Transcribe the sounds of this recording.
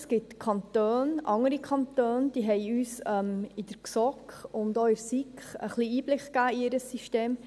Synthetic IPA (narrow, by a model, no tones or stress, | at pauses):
sɡ̥ɪtkʰɑntøːnʔɑŋəɾikʰɑnt̪øːnd̥iːɦɛɪyːsœmid̥əɾksɔkχʊndoɪɾsikχə̰χliːiːb̥lɪkkæːiɪɾəsːiʃteːm